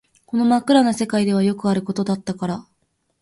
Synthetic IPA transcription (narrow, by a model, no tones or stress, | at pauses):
ko̞no̞makɯ̟ɾano̞se̞kaid̪e̞βajo̞kɯ̟aɾɯ̟ko̞t̪o̞d̪at̪ːakaɾa